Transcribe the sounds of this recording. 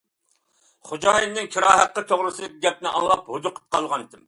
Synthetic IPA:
χod͡ʒɑːjinnːɪŋkʲʰiɾɑːɦæqːət̪ʰoʁɾɨsɨd̪ɪkʲiɡʲɛp̚nɪʔɑ̰ŋlˠɑp̚hod̪ʊqʰə̥p̚qʰɑlˠʁɑnd̪ɪm

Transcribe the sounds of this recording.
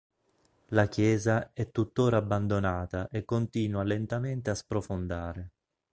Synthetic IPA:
lakjɛːzaɛt̪ːut̪ːoːɾaːbːand̪onaːt̪aʔekːont̪iːnwalent̪ament̪easpɾofond̪aːɾe

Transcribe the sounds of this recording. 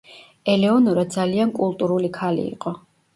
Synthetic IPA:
ɛlɛɔnuɾad̪d̪zaliankʼulˠt̪ʼuɾulikʰalḭːqʼɔ

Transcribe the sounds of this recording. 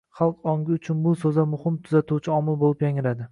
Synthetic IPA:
χɑlˠqɒŋɡʲɪʊt͡ʃʰʊnbʊsozamʊhɪmt̪ʰʊzat̪uwt͡ʃʰɪɒmɪlˠbolˠɪpjaŋɪɾad̪ɪ

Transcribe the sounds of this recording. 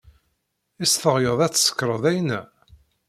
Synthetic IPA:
isθəʁjəðˤæt͡sːsə̥kːɾˤəðˤæjnæ

